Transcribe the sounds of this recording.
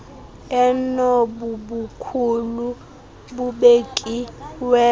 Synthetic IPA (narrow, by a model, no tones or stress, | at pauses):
ɛnobubukʰulu | buɓekʼiwɛ